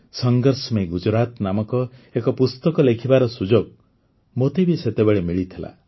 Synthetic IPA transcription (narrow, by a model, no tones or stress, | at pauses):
sɔŋɡɔɾsmeɡud͡ʒɾat̪namɔkɔekɔpust̪ɔkɔlekʰibaɾɔsud͡ʒoɡ̚ | mot̪ebiset̪ebeɭemiɭit̪ʰila̰